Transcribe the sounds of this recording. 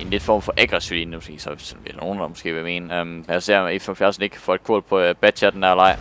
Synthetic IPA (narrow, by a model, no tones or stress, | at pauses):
e̝nled̥fɒ̰ːmfɒ̽ʔæɡ̥ʁɛsilinəmɒsɡ̥e̝̰ːsɒsɒnʋed̥æno̝ːn̩d̥ɑmɒsɡ̥e̝̰ːʋeme̝̰ːnəømjase̝ɐ̰ifefjæɐsneɡ̥ʰfɒ̰ed̥kʰo̰ːlpʰɒ̽b̥æ̥ɕʰæɐd̥n̩æɐlɑ̈ɪ̰